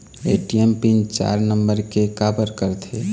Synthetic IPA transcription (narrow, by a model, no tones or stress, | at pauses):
eʈiempint͡ʃa̰ɾnəmbəɾkekabəɾkəɾt̪ʰe